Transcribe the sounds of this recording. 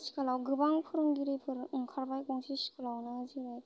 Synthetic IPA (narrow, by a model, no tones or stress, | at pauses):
si̥kalawɡɯbaŋpʰɯɾɯŋɡiɾɯjpʰɯɾkʰaɾbajkɔŋsʰisi̥kalawnɯziɾɯj